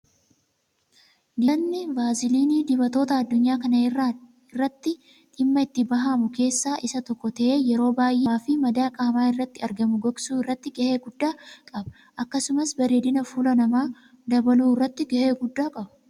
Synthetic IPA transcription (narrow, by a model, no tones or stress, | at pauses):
d̪ɪnːɪvaːzɪliːniːd̪ɪbɐt̪o̞ːt̪ɐɐd̪ːʊɲːaːkɐnɐ | ɪrːɐt̪ːɪ | ʔɪmːɐɪt̪ːɪbɐɦaːmʊke̞ːsːaːʔɪsɐt̪ɔkːɔt̪ɐʔe̞ːjɛɾo̞ːbaːjʔefɪmɐd̪aːkʼaːmaːɪrːɐt̪ːɪɐɾɡɐmʊɡɐɡsuːɪrːɐt̪ːɪɡɐʔe̞ːɡʊd̪ːaːkʼɐbɐ̥ | ʔɐkːɐsʊmɐsbɐɾeːd̪ɪnɐfuːlɐnɐmaː | d̪ɐbɐluːɪrːɐt̪ːɪɡɐʔeːɡʊd̪ːaːkʼɐbɐ̥